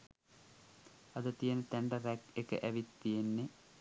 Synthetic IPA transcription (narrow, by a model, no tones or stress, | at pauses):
ɐd̪ət̪ijenət̪æɳɖɐɾækekə̰ʔæʋit̪ːijenːe